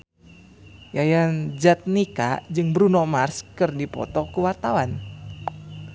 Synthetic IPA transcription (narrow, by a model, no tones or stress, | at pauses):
jajand͡ʒat̪̚nika̰d͡ʒɨŋbɾunɔmarskɨrdipɔ̰t̪ɔkuwart̪awan